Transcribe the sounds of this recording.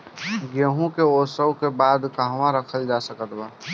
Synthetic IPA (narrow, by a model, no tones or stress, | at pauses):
ɡeɦũkeosəwkebaːd̪kəɦʋãɾəkʰəld͡ʒasəkət̪ba